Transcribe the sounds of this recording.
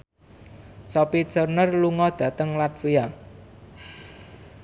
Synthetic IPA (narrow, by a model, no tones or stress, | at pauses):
sɔpit͡ʃərnərluŋɔd̪̥ä̤t̪əŋlat̪fia